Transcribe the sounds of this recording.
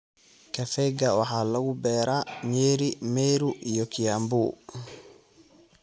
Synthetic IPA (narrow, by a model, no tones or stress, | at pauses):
kʰɐfɛɡɐwɑħaːlɐɣʊbɛːɾaːɲɛːɾimɛːɾuʔijɔkʰijaːmbuː